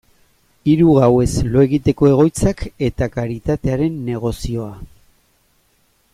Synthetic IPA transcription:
iɾuɣawe̞zlo̞e̞ɣit̪e̞ko̞e̞ɣ̞o̞jt͡sake̞t̪akaɾit̪at̪e̞aɾe̞nːe̞ɣ̞o̞sio̞a

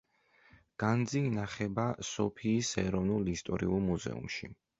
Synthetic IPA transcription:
ɡ̥and̪ziːnaχɛbasɔpʰiːsɛɾɔvnulˠist̪ʼɔɾiulˠmuzɛ̰ṵmʃi

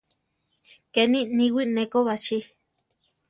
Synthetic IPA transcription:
kenĩnĩwinẽkoβat͡ʃi

